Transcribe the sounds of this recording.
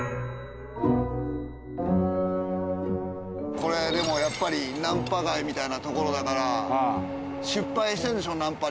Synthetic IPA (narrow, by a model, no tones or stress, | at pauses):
ko̞ɾe̞d̪e̞mo̞japːaɾʲinãmpaɡaimʲit̪ainat̪o̞ko̞ɾo̞d̪akaɾa | ɕɨpːaiɕit̪ẽnd̪eoːnãmpa